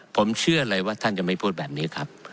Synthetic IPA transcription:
pʰo˩˦mt͡ɕʰɯ˥˩ɐ˧ɾɤ˧jwaː˥˩t̪ʰa˥˩nt͡ɕa˨˩ma˥˩jpʰuː˥˩t̪̚bɛː˨˩p̚niː˦˥kʰa˦˥p̚

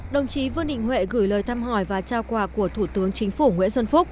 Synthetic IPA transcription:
ɗə˨˩wŋ͡mt͡ɕi˨˦vɨ˧ənɗḭ̈˧˨ŋ̟hwḛ˧˨ɣɨ˧˩jləː˨˩jt̪ʰaː˧mɦɔ˧˩jvaː˨˩t͡ɕaː˧wkwaː˧˩ku˧˩ət̪ʰu˧˩t̪ɨ˨˦əŋt͡ɕï˨˦ŋ̟fu˧˩ŋwḭ˧˥ənswə˧nfʊ˦˥k͡p̚

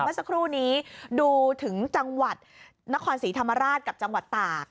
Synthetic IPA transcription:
aː˥˩sa˧kʰɾuː˥˩niː˦˥duː˧t̪ʰɯ˩˦ŋt͡ɕa˧ŋwa˨˩t̪̚ | na˦˥kʰɔː˧nsiː˩˦t̪ʰa˧mːa˧ɾaː˥˩t̪̚ka˨˩p̚t͡ɕa˧ŋwa˨˩t̪ːaː˨˩k̚

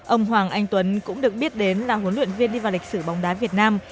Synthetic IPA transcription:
ʔə˧wŋ͡mɦwaː˨˩ŋʔa˧jŋ̟t̪wə˨˦nkʊ̰˧˥ŋ͡mɗɨ˨˩ək̚ɓi˦˥ət̚ɗe˨˦nlaː˨˩ɦu˨˦nlwḭ˧˨ənvi˧ənɗi˧vaː˨˩wli˨˩k̟sɨ˧˩ɓɔ˨˦wŋ͡mɗaː˨˦vi˨˩ət̚naː˧m

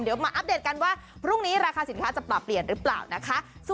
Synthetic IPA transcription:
mdi˩˦wmaː˧ʔa˦˥p̚deː˨˩t̪̚ka˧nwaː˥˩ | pʰɾu˥˩ŋniː˦˥ɾaː˧xʰaː˧si˩˦nkʰaː˦˥t͡ɕa˨˩plɔ˨˩pːli˨˩ənɾɯː˦˥pla̰ː˨˩wna˦˥kʰa˦˥ʔs

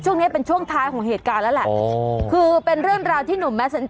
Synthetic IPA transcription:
t͡ɕʰu˥˩əŋni˦˥pe˧nt͡ɕʰu˥˩əŋt̪ʰaː˦˥jkʰɔː˩˦ŋɦeː˨˩t̪̚kaː˧nlɛː˦˥lɛ˨˩kʰɯː˧pe˧nɾɯ˥˩əŋɾaː˧wt̪ʰiː˥˩nu˨˩˦mːɛ˦˥sa˨˦n

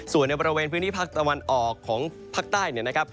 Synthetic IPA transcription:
su˨˩ənːa˧jbɔː˧ɾi˧weː˧npʰɯː˦˥nt̪ʰiː˥˩pʰaː˥˩k̚t̪a˧wa˧nʔɔː˨˩kʰːɔː˩˦ŋ | pʰaː˥˩k̚t̪aː˥˩jni˥˩ɐna˦˥kʰp̚

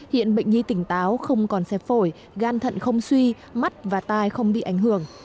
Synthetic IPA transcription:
hḭ˧˨ənɓə̰˧˨jŋ̟ɲi˧t̪ï˧˩ŋ̟t̪aː˨˦wxə˧wŋ͡mkɔ˨˩nsɛ˧˩fo˧˩j | ɣaː˧nt̪ʰə̰˧˨nxə˧wŋ͡mswi˧ | ma˦˥t̚vaː˨˩t̪aː˧jxə˧wŋ͡mɓḭ˧˨ʔa˧˩jŋ̟hɨ˧˩əŋ

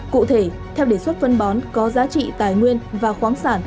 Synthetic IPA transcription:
kṵ˧˨t̪ʰe˧˩ | t̪ʰɛ˧wɗe˧˩swt̚fə˧nɓɔ˨˦nkɔ˨˦zaː˨˦t͡ɕḭ˧˨t̪aː˨˩jŋwi˧ənvaː˨˩xwaː˨˦ŋsaː˧˩n

